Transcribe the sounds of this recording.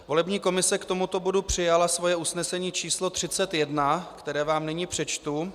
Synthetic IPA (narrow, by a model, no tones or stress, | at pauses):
vo̞lɛbɲiːko̞mɪsɛkt̪o̞mut̪o̞bo̞dupr̝̥ɪjalasvo̞jɛusnɛsɛɲiːt͡ʃiːslo̞t̪r̥ɪt͡sɛt̪jɛdnakt̪ɛɾɛːvaːmnɛɲipr̝̥ɛt͡ʃt̪u